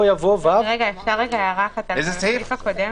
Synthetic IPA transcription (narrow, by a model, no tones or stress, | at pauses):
javovaʁeɡaefʃaʁeɡajaʁaχet̪aɪzeseifakodem